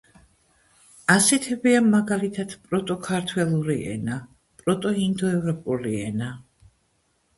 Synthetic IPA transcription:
asɛt̪ʰɛbiamaɡalit̪ʰat̪ʰpʼɾɔt̪ʼɔkʰaɾt̪ʰwɛlˠuɾiʔɛ̰na | pʼɾɔt̪ʼɔhind̪ɔɛvɾɔpʼuɾiɛ̰na

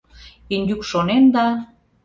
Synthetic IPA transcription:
inʲd̪ykʃonend̪ɑ

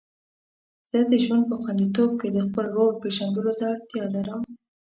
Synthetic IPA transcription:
z̥əd̪əʒwand̪̚pəxwand̪it̪ob̚ked̪əxpəlwowopeʒand̪əlot̪aːɽt̪jɑlaɾəm

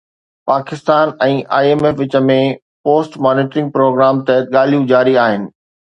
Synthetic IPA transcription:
paːkɪst̪aːnɛ̃ːʔʔa̰ːieːmefʋɪt͡ɕə̆mẽ | poːsʈmaːnɪːʈɾɪ̃ŋɡ̚pɾoːɡɾaːmt̪ɛɠaːl̤ijũd͡ʑaːɾiaːɦɪnɪ̆

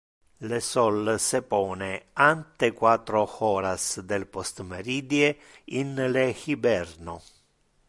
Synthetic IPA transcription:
lesɔlsepɔːneant̪ekwaːt̪ːɾoxɔːɾasd̪elpost̪meɾiːd̪ie | inlexibɛrno

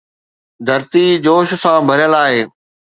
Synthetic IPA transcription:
d̪ʱɐɾt̪id͡ʑoːʃsãbʱəɾjəlaːɦeː

